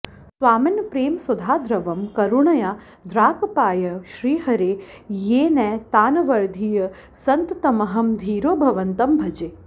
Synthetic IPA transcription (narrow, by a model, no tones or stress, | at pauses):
sʋaːminɐpɾeːmsɐd̪ʱaːd̪ɾɐʋɐmkɐɾuɳɐjaː | d̪ɾaːkɐpaːjɐʃɾiːɦɐɾeː | jeːnɛːt̪aːnɐʋɐɾd̪ʱijɐ | sɐnt̪ɐt̪ɐmɐɦɐmd̪ʱiːɾoːbʱɐʋɐnt̪ɐmbʱɐd͡ʒeː